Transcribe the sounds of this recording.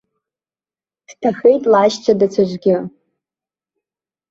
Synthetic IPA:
d̥tʰaxe̞jtʼlaːʃt͡ʃʷʰadat͡sʷʰaʒʷɡʲɪ

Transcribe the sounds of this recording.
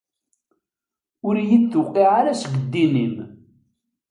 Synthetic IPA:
ʊɾjiθːʊqːiʕaɾæsɡəd̪ːinim

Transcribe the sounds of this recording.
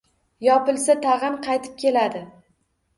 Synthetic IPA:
jɒpɪlˠsat̪ʰaʁɨmqʰɑjt̪ʰɪ̥p̚kʲʰe̞lad̪ɪ

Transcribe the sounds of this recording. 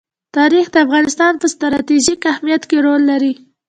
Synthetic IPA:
t̪ɑɾixd̪əafɣɑnɪst̪ɑnpəst̪ɾɑt̪iʒikahmijat̪keɾolːaɾi

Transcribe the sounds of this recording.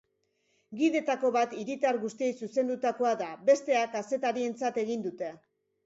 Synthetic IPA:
ɡiðe̞t̪ako̞βat̪iɾit̪aɾɣust̪ie̞jsuse̞nd̪ut̪ako̞aðabe̞st̪e̞akase̞t̪aɾie̞nt͡sat̪e̞ɣind̪ut̪e̞

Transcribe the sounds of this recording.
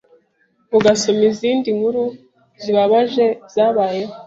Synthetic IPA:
βuɡaso̞miziːndiŋhuɾu | ziβaβaʒe̞z̥aːβaːjeho

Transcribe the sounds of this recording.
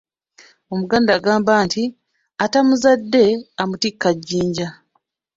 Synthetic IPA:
o̞muɡaːndaːɡaːmbaːnti | atamuzadːe̞amutikːaɟːiːɲɟa

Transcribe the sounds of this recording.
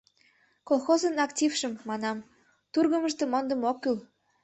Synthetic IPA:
kolˠxozə̆nɑktʲifʃə̆mːɑnɑm | t̪urɣə̆mə̆ʃ̬t̪ə̆mond̪ə̆mokːyl

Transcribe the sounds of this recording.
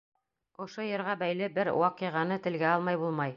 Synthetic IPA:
ŏʃojɤ̆ɾʁɑbæjlɘbɘɾwɑqĭʁɑnɤt̪ɘ̆lɡæɑlˠmɑjbulˠmɑj

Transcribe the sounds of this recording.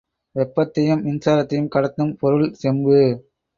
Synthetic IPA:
ʋɛpːɐt̪ːɐjɯmɪnsaːɾɐt̪ːɐjɯmkɐɽɐt̪ːɯmpɔɾɯɭsɛmbɯ

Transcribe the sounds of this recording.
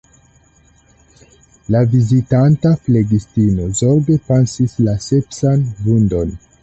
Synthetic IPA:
lavizitantafle̞ɡistino̞zo̞ɾɡe̞pansislasepsanvundo̞n

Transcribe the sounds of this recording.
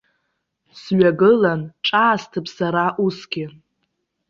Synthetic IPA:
sɥaɡɨlanʈ͡ʂʼaːstʰɨpʰsaɾaʔusɡʲɪ

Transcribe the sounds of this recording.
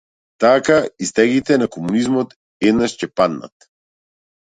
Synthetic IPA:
t̪akaist̪ɛɡit̪ɛnakɔmunizmɔt̪ | ɛd̪naʃcɛpad̪na̰t̪̚

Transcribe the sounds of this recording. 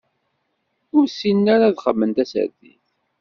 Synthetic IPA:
ʊɾsinːaɾaðχəmːənt̪æsə̰ɾθḭθ

